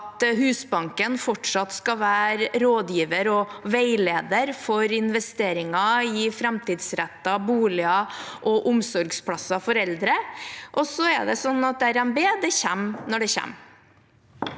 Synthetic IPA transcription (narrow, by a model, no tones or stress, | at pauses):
t̪hʉːsbɑŋkənfɔʈʂɑt̪skɑʋæːɾɾoːd̪jiːʋəɾɔʋeɪleːd̪əɾfɔɾɪnʋɛst̪eːɾɪŋɑɪfɾɛmt̪iːd̪sɾæt̪ːɑbuːlɪɑʔɔʔʊmsɔɾɡspʰlɑsɑfɔɾɛld̪ɾəʔɔsɔɛ̰d̪ɛsɔnːɑt̪̚d̪ɛæɾɛnbeːd̪ɛçæmnɔɖɛçæ̰m